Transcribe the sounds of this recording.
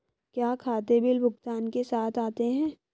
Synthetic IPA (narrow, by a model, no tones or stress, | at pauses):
kjaːkʰaːt̪ebɪlbʱʊɡt̪aːnkesaːt̪ʰaːt̪eɦɛ̃ː